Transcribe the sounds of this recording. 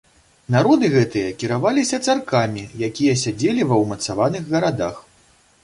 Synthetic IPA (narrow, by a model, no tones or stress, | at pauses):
naɾɔd̪ɨɣɛt̪ɨjɐkʲiɾavalʲisʲɐt̪sarkamʲijakʲijɐsʲad͡zʲelʲivɐwmɐt̪savanɨɣɣɐɾad̪ax